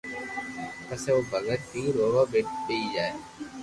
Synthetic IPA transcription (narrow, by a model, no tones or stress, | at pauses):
pəseoːbʱəɡət̪̚kiːɾoːʋaːbɪʈ̚ɗiid͡ʒaːeː